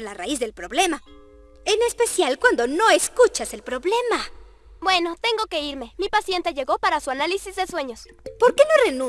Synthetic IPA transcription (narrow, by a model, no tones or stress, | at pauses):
laraizðelpɾo̞βle̞ma | ene̞spe̞sjalkwand̪o̞no̞eskut͡ʃase̞lpɾo̞βle̞ma | bwe̞no̞t̪e̞ŋɡoke̞iɾme̞mipasje̞nt̪eʝe̞ɣo̞paɾasuanalisizðeswe̞ɲo̞s | po̞ɾke̞norenũ